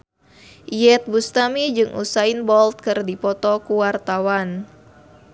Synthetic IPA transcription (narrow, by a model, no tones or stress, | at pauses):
ijɛt̪̚bust̪amid͡ʒɨŋʔṵsainbɔlt̪̚kɨrdipɔt̪ɔkuwart̪awan